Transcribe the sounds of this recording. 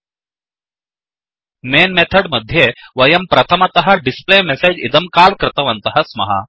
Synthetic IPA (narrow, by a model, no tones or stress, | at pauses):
menmet̪ʰəɽməd̪ʱːjeʋɐjɐmpɾɐt̪ʰəmat̪ɐɦaɾɖisplemɛsed͡ʑid̪əmkalkɾɪt̪əʋənt̪əɦɐsmɐ̰ɦa̰